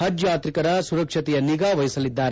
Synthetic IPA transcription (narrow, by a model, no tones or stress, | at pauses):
ɦɐd͡ʒ̪jaːt̪ɾikɐɾɐsuɾɐkʂɐt̪ɛjɐniɡaːʋɐjisɐlid̪ːaːɾ